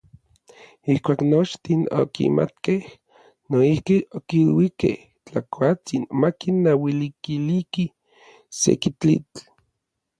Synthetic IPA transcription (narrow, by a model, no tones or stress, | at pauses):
ihkʷaːknot͡ʃt̪ino̰kḭmʔa̰t̪keh | noihkiokilwikḛh | t͡ɬakʰʷat͡sinmakinːawilikiliki | sḛkit͡ɬḭt͡ɬ